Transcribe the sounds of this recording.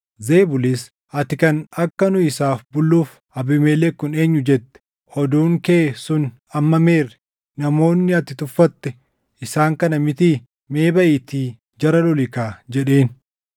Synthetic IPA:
ze̞ːbʊlɪs | ʔɐt̪ɪkɐnɐkːɐnʊɪsaːfbʊlːuːf | ɐbɪmeːlɛkːʊne̞ːɲːʊd͡ʒɛt̪ːɛ̥ | ɔd̪uːŋkeːsʊn | ɐmːɐme̞ːrɛ̥ | nɐmo̞ːnːɪɐt̪ɪt̪ʊfːɐt̪ːɛ | ɪsaːŋkɐnɐmɪt̪iː | me̞ːbɐʔɪt̪iː | d͡ʒɐɾɐlɔlɪkaːd͡ʒɛᶑe̞ːn

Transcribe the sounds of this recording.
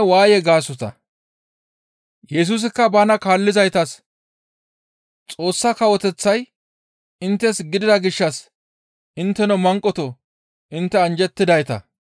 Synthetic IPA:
waːjɛɡaːsɔt̪ɐ̰ | jɛs̬us̬ɪkːɐbanɐkaːlːɪzɐjt̪ɐs | t͡sʼo̞ːsːɐkɐwɔt̪ɛt͡sːɐj | ɪnt̪ːɛsɡɪd̪ɪd̪ɐɡɪʃːɐs | ɪnt̪ːɛnɔmɐŋkʼːɔt̪ɔ | ʔɪnt̪ːɛɐnd͡ʒɛt̪ːɪd̪ɐjt̪ɐ̰

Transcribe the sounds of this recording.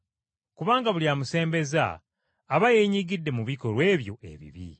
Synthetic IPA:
kuβaːŋɡaβuljaːmuse̞ːmbe̞za̰ː | βajeːɲiːɡidːe̞muβiko̞lwe̞ːβjo̞e̞̰βḭβḭ

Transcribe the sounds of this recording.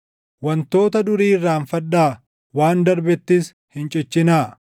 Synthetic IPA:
wɐnt̪o̞ːt̪ɐd̪ʊɾiːrːaːnfɐᶑaː | waːnd̪ɐɾbɛt̪ːɪs | hɪnt͡ʃʼɪt͡ʃːɪnaː

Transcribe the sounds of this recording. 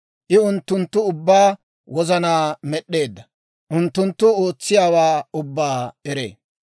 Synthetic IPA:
ʔɪʊnt̪ːʊnt̪ːʊʊbːaː | wɔzɐnaːmɛɗːe̞ːd̪ːɐ | ʔʊnt̪ːʊnt̪ːʊoːt͡sːɪjaːwaːʊbːaːɛɾḛː

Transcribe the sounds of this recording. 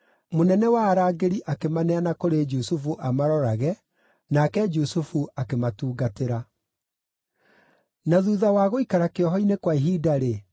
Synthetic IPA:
monɛnɛwaːɾaːɡeɾiʔakemanɛanakoɾed͡ʒusufuʔamaɾɔɾaɣɛ | nakɛd͡ʒusufuakematuːɡateɾa | naðuːðawaːɣoikaɾakeɔɦɔinekwaiɦiːdaɾe

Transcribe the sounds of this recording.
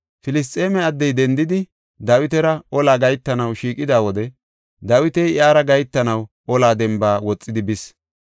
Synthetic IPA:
fɪlɪs̬t̪ʼːe̞ːmɛɐd̪ːɛjd̪ɛnd̪ɪd̪ɪ | d̪ɐwɪt̪ɛɾɐɔlaːɡɐjt̪ːɐnɐwʃiːkʼɪd̪aːwɔd̪ɛ | d̪ɐwɪt̪ɛjʔjaːɾɐɡɐjt̪ːɐnɐw | ɔlaːd̪ɛmbaːwɔt͡sʼːɪd̪ɪbɪs

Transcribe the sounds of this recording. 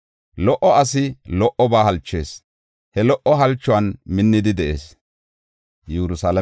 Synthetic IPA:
lɔʔɔʔɐs̬ɪlɔʔɔbaːhɐlt͡ʃːe̞̰ːs | hɛlɔʔɔɦɐlt͡ʃːʊwɐnmɪnːɪd̪ɪd̪ɛʔḛːs | jɛɾʊsaːlɐ

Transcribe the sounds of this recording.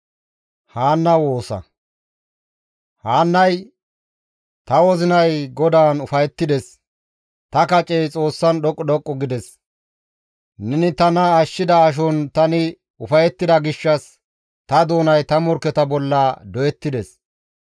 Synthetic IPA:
haːnːɐwo̞ːsɐ̰ | haːnːɐj | t̪ɐwɔzɪnɐjɡɔd̪aːnʊfɐjɛt̪ːɪd̪ɛs | t̪ɐkɐt͡ʃʼejt͡sʼo̞ːsːɐnɗɔkʼːɔɗɔkʼːɔɡɪd̪ɛs | nɛnɪt̪ɐnɐːʃːɪd̪ɐːʃ̬ɔnt̪ɐnɪ | ʊfɐjɛt̪ːɪd̪ɐɡɪʃːɐs | t̪ɐd̪o̞ːnɐjt̪ɐmɔɾkːɛt̪ɐbɔlːɐd̪ɔjɛt̪ːɪd̪ɛs

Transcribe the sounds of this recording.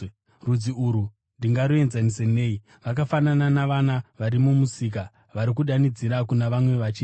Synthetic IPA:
rud͡ziuɾu | ndiŋɡaɾue̞nzanisene̞ːi | ʋak̬afanananaʋanaʋaɾimumusik̬a | ʋaɾik̬uɗanid͡ziɾakunaʋamwe̞ʋat͡ʃiː

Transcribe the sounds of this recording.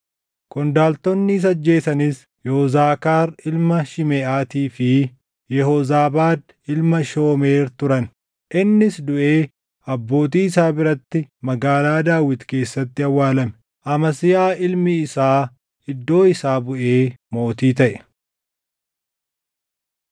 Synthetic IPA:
kʊnd̪aːlt̪ɔnːɪːs̬ɐd͡ʒːe̞ːsɐnɪs | jɛhɔzaːkaːɾɪlmɐʃɪmeːʔaːt̪iːfɪ | jɛhɔzaːbaːd̪ | ɪlmɐʃo̞ːmeːɾt̪ʊɾɐn | ʔɪnːɪsd̪ʊʔe̞ː | ɐbːo̞ːt̪̬iːsaːbɪɾɐt̪ːɪmɐɡaːlaːd̪aːwɪt̪ke̞ːsːɐt̪ːɪɐwːaːlɐmɛ̥ | ʔɐmɐsɪjaːʔɪlmɪːsaː | ɪd̪ːo̞ːɪsaːbʊʔeːmo̞ːt̪iːt̪ɐʔɛ̥

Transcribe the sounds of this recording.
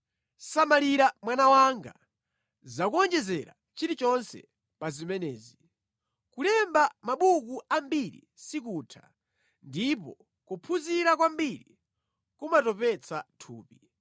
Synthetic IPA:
samaliɾamwanawaŋɡa̰ | zakuɔnd͡ʒɛzɛɾa̰ | t͡ʃiɾit͡ʃɔnsɛ̰ | pazimɛnɛːzi | kulɛmbamaɓukuambiɾḭ | sik̬utʰa | ndipɔ | kupʰuziɾakwambiɾḭ | kumatɔpɛt͡satʰuːpi

